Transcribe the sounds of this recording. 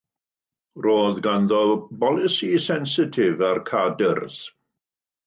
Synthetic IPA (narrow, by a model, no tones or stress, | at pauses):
roːðɡanðɔbɔlˠɪsisɛnsɪtʰɪvarkʰadərz̥